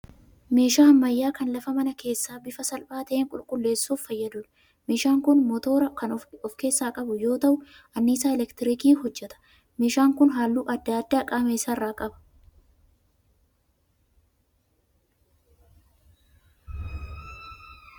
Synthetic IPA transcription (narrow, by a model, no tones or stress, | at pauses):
me̞ːʃaːɐmːɐjːaːkɐnlɐfɐmɐnɐke̞ːsːaːbɪfɐsɐlbaːt̪ɐʔeːŋkʼʊlkʼʊlːe̞ːsːuːfːɐjːɐd̪ʊᶑɐ̥ | me̞ːʃaːŋkʊnmɔt̪o̞ːɾɐkɐnɔfke̞ːsːaːkʼɐbʊjo̞ːt̪ɐʔʊ | ʔɐnːiːsaːɛlɛkt̪ɪɾikiːhɔd͡ʒːɛt̪ɐ̥ | me̞ːʃaːŋkʊnɦaːlːuːʔɐd̪ːad̪ːaːkʼaːmeːsːaːrːaːkʼɐbɐ̥